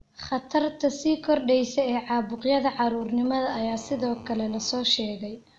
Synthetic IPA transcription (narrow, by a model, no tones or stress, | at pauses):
χɑt̪ʰɐrt̪ʰɐsiːkʰɔrɖɛjsɛɛːʕɑːbʊqjɐðɐʕɑɾuːrnɪmɐðɐːjaːsɪðɔːkʰɐlɛlɐsɔːʃɛːɣɛj